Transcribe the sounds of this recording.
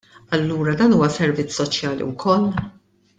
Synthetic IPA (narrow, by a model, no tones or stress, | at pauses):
ɐlːuːɾɐd̪ɐːnuːwɐsɛɾvɪt͡sːsɔt͡ʃjɐːlḭwkʰɔlː